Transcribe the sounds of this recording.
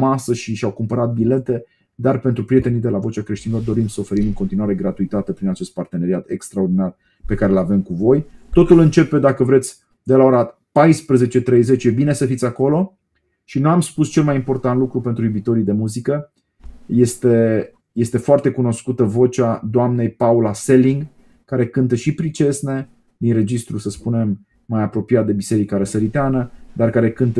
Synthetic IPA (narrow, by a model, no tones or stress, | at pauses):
masəʃiʃawkumpəɾat̪̚bile̞t̪e̞ | d̪arpe̞nt̪ɾupɾije̞t̪e̞nid̪e̞lavo̞t͡ʃakɾe̞ʃt̪inlo̞rd̪o̞ɾimsəofe̞ɾimɨŋkont̪inuaɾe̞ɡɾat̪uit̪at̪e̞pɾinat͡ʃe̞st̪part̪e̞ne̞ɾiat̪e̞kst̪ɾaord̪inar | pe̞kaɾelave̞mkuvo̞jt̪o̞t̪ulɨnt͡ʃe̞pe̞d̪akəvɾe̞t̪sʲ | d̪e̞lao̞ɾa | pajspɾəze̞t͡ʃe̞t̪ɾejze̞t͡ʃje̞bine̞səfit̪sʲako̞lo̞ | ʃinuamspust͡ʃe̞lmajimpo̞rt̪ant̪lukɾupe̞nt̪ɾujubit̪o̞ɾid̪e̞muzikə | je̞st̪e̞ | je̞st̪e̞foart̪ekuno̞skut̪əvo̞t͡ʃad̪oamne̞jpaulase̞liŋɡ | kaɾe̞kɨnt̪əʃipɾit͡ʃe̞sne̞ | d̪inre̞d͡ʒist̪ɾusəspune̞mː | ajapɾo̞pijat̪̚d̪e̞bise̞ɾikaɾəsəɾit̪eanəd̪arkaɾe̞kɨnt̪ə